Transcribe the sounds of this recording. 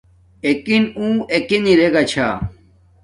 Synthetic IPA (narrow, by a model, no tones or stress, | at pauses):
ekinũːekeniɾeɡat͡ɕʰa